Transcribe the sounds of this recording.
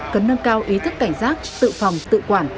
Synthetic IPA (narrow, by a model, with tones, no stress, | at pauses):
kə˨˦nːə˧nkaː˧wʔi˨˦t̪ʰɨ˦˥k̚ːa˧˩jŋ̟zaː˦˥k̚t̪ɨ̰˧˨fɔ˨˩wŋ͡mt̪ɨ̰˧˨kwaː˧˩n